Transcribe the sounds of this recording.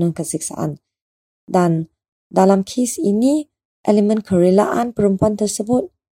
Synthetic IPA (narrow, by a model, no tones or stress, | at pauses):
ə̃ŋkəsiksa̰ʔã̰n | dan | dalamkʰesini | ʔɛlemə̃nkʰəɹela̰ʔanpəɾəmpuant̪ərsəbʊt̪̚